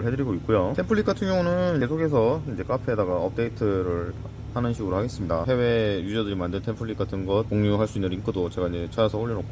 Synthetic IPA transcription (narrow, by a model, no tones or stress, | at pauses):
ɭɦe̞dɯɾiɡoik͈̚ojotʰe̞mpʰɯɭːikɡ͈atʰɯŋjʌŋunɯiesʰokʰe̞s̬ʰʌind͡ʑe̞k͈apʰedaɡaʌp̚t͈e̞itʰɯɾɯɭ | hanɯnɕʰiɡɯɾoɭhaɡe̞s͈ɯmɲidaɦe̞we̞jud͡ʑʌdɯɾimandɯntʰempʰɯɭːikɡ͈atʰɯnɡʌt̚koŋɲuɦaɭs͈uinːɯniŋkʰɯdot͡ɕe̞ɡaind͡ʑe̞t͡ɕʰajasʰʌoɭːinok̚